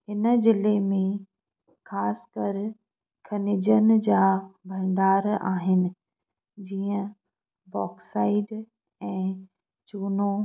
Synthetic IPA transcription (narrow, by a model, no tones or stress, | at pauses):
ɦɪnə̆d͡ʑɪlemẽ | xaːskɐɾ | kʰɐnɪd͡ʑən̆d͡ʑaːbʱɐ̃ɳɖaːɾa̰ːɦɪnɪ̆ | d͡ʑiːə̃ | bɔːksaːɪɖ | ɛ̃ː | t͡ɕuːno